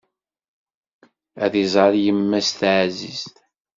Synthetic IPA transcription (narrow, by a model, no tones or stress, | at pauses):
æðizˤɑɾjəmːæst̪ʕzḭzt̪